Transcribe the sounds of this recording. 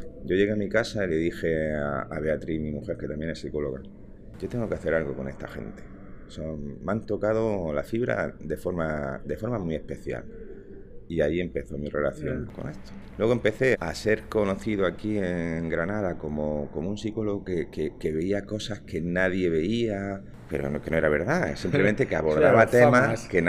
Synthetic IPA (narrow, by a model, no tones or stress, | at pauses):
ɟ͡ʝo̞ʝe̞ɣeamikasaile̞ðixe̞aa̰βe̞at̪ɾimĩmuxe̞ɾke̞t̪amje̞nesiko̞lo̞̰ɣa̰ | ɟ͡ʝot̪e̞ŋɡo̞keaθe̞ɾalɣoko̞ne̞st̪axe̞̰nt̪e̥ | somant̪o̞kað̞o̞lafiβɾa̰d̪efo̞ɾmad̪e̞fo̞ɾmamwie̞spe̞θja̰l | iaie̞mpe̞θo̞mire̞̰la̰θjo̞̰ŋko̞̰net̪o̥ | lweɣoempe̞θe̞a̰se̞ɾko̞no̞θiðoakieŋɡɾanaðako̞moko̞munsiko̞loɣokekeke̞βe̞iako̞sahke̞naðje̞βe̞ia | peɾo̰nkeno̞e̞ɾaβ̞e̞ɾðasimplement̪ekeaβo̞ɾðaβat̪emaken